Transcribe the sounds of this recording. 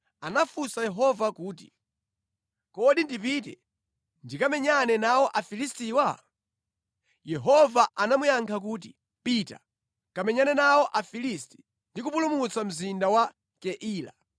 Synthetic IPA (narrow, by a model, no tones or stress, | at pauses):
anafusajɛɦɔvakuːti̥ | kɔɗindipiːtɛ̰ | ndikamɛɲanɛnawɔʔafilistiːwa | jɛɦɔvaʔanamujaŋkʰak̬uːt̬i | pita̰ | kamɛɲanɛnawɔʔafilisti̥ | ndikupulumut͡sam̩zindawa | kɛʔiːla̰